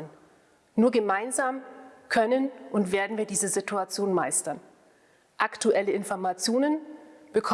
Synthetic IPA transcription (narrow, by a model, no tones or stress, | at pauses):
n | nuːɐɡəmaɪnzaːmkʰœnənʔʊntv̥eːɐdn̩viːɐdiːzəzɪtuat͡sjoːnmaɪstɐn | ʔaktuʔɛləɪnfɔɐmat͡sjoːnənb̥əkʰ